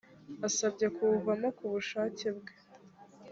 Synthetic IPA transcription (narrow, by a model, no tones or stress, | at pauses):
asabɟekuuvamakuβuʃaːcebɡe